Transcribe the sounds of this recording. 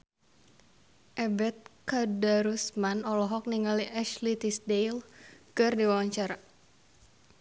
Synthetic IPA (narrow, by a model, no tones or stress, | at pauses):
ʔɛbɛt̪̚kadaɾusmanɔlɔɦɔk̚niŋaliʔɛʃlit̪isdejlkɨrdiwawaɲt͡ʃaɾa